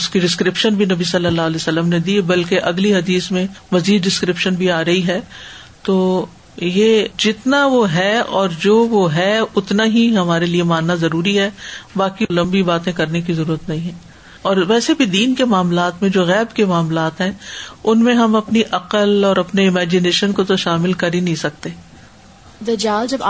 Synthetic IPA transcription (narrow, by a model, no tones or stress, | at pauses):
ʊskiɖɪskɾɪpʃənbʱinɐbisɐlːəlːaːɐlɛːsɐlːəmned̪ibɐlkeʔɐɡliɦɐd̪iːsmẽmɐziːd̪ːɖɪskɾɪpʃənbʱiaːɾɐɦiɦɛ | t̪oː | jed͡ʒɪt̪naʋoɦɛɔːɾd͡ʒoːʋoɦɛʊt̪naɦiɦɐmaːɾeliemaːnːazɐɾuːɾiɦɛbaːkilɐ̃mbibaːt̪ẽkɐɾnek̬izɐɾuːɾət̪nɐɦĩɦɛ̃ː | ɔːɾʋɛːsebʱid̪iːnkemaːmlaːt̪mẽd͡ʒoːɣɛːbkemaːmlaːt̪ɦɛ̃ʊnmẽɦɐmɐpniʔɐqəlɔːɾɐpneɪmɛːd͡ʒɪneːʃənkot̪oʃaːmɪlkɐɾinɐɦĩsɐk̚t̪eː | d̪ɐd͡ʒaːld͡ʒɐb